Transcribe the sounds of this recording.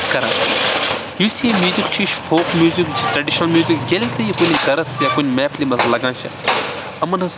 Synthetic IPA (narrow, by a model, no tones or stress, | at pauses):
kɐɾã̰ː | juːsiẽmʲjuːzikt͡ʃʰiʃpʰoːkmjuːzikt͡ʃʰit̪ɾɐɖiʃnɐlmjuːzikɡelʲt̪ɐjikunʲikɐɾɐsjaːkunʲmɛːpʰlimɐt̪ʰlɐɡãːt͡ʃʰɐ̰ | ɐmɐnɐs